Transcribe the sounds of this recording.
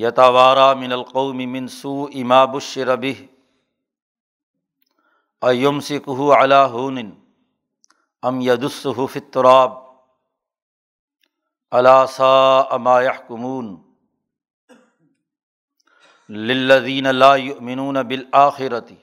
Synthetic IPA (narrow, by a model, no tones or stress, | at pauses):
jɐt̪ɐwɑːɾˤaːmɪnɐlqɑwmɪmɪnsuːʔɪmaːbʊʃːɪɾabɪɦ | ʔɐjʊmsɪkʊɦʊʕalaːɦuːnɪn | ʔɐmjɐd̪ʊsːʊɦʊfit̪ːʊɾɑːb̚ | ʔɐlaːsaːʔamaːjaħkʊmuːn | lɪlːɐðiːnalaːjʊʔmɪnuːnabɪlʔaːxɪɾat̪ɪ